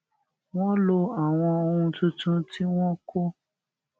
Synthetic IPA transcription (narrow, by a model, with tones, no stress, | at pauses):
w̃ɔ̃˦lo˧a˨w̃ɔ̃˧o˧ũ˧tũ˧tũ˦ti˦w̃ɔ̃˦kʰo˦